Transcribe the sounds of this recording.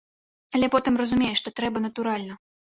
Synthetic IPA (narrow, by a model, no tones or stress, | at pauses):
ɐlʲɛpɔt̪ɨmrɐzumʲejʂt̪ɔt̪ɾɛbɐnɐt̪uɾalʲnɐ